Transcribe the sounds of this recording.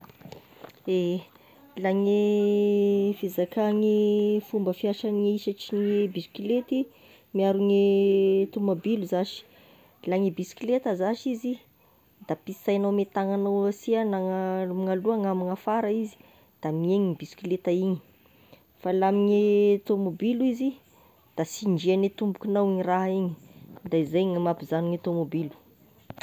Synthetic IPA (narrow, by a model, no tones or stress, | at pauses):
e | laŋe | fizakaŋifumbəfiaʃaneiʃaʈ͡ʂinebiskilet̪i | miaɾunet̪umbabiluzaʃi̥ | laŋebiskilet̪əzaʃizi | d̪̥apisajnawmet̪aŋanawasianaŋmŋaluaŋamiŋafaɾaizi̥ | d̪̥amieɲibiskilet̪aiɲi̥ | falamiɲet̪omobiluizi | d̪̥asiɳd͡ʒianet̪umbukinawiɲiraɦiɲid̪aizajŋamapizaniŋet̪omobilu̥